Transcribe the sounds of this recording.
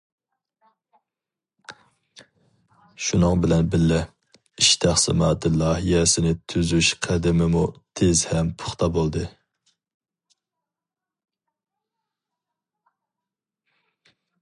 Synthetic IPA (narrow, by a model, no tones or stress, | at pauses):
ʃunɨŋbɪlɛnbɪlːɪ | iʃt̪ʰæχsɪ̰mɑːt̪ʰɨlˠɑːɦijɛsɪnɪt̪ʰyzyʃqʰæd̪ɪmɪmut̪ʰezhɛmpʰʊ̥χt̪ʰɑbolˠd̪ɨ